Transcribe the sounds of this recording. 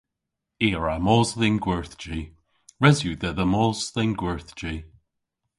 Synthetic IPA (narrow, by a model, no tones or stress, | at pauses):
eːɹamɔːzlɪnɡwɛɹθd͡ʒiː | ɹɛzjuðɛðəmɔːzðɪnɡwɛɹθd͡ʒi